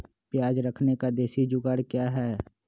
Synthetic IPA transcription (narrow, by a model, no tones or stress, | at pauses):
pjaːd͡ʒɾəkʰnekad̪eːsid͡ʒʊɡəɽkjaːɦɛː